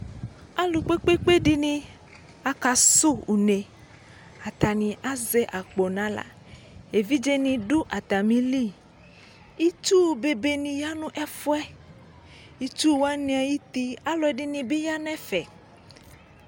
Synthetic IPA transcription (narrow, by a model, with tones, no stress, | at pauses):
a˦lu˨k͡pe˦k͡pe˦k͡pe˦ɖi˦nĩ˨ | a˨ka˨su˦u˨ne˨ | a˨t̪a˨nĩ˨ʔa˦zɛ˦ʔa˨k͡po˨nã˦la̰˨ | e˨vi˦d͡ʒe˦nĩ˨ɖu˦ʔa˨t̪a˨mĩ˨li˦ | i˦t͡ʃu˦˨be˨be˨nĩ˨ja˦nũ˦ʔɛ˦fu˦ɛ˦ | i˦t͡ʃu˦wa˦nĩ˨˦a˨ji˦t̪i˦a˦lɔ˨ɛ˨ɖi˦nĩ˨be˦ja˦nɛ̃˦fɛ˨